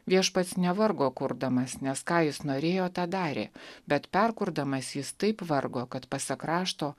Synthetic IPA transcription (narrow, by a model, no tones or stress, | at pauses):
ʋʲiɛʃpɐt̪snʲɛʋɐɾɡoːkʊɾd̪ɐmɐsnʲɛskɑːjɪsnoːɾʲeːjoːt̪ɑːd̪ɑːɾʲḛːbʲɛt̪pʲɛɾkʊɾd̪ɐmɐsjɪst̪ɐɪpʋɐɾɡoːkɐt̪pɐsʲɐkɾɑːʃt̪oː